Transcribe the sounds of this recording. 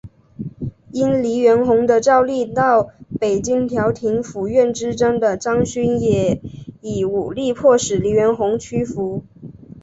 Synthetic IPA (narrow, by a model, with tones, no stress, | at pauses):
i˥nli˧˥ɥɛ˧˥nxʊ˧˥ŋd̪ə˧ʈ͡ʂɑ˥˧ʊli˥˧t̪ɑ˥˩ʊpe˨˩ɪt͡ɕi˥ŋt̪ʰjɑ˧˥ʊt̪ʰi˧˥ŋfu˨˩ɥɛ˥˩nʈ͡ʂɻ̩˥ʈ͡ʂɤ˥ŋd̪ə˨ʈ͡ʂɑ˥ŋɕy˥njɛ˨˩˦i˨˩u˨˩li˥˧pʰwɔ˥˩ʂɻ̩˨˩li˧˥ɥɛ˧˥nxʊ˧˥ŋt͡ɕʰy˥fu˧˥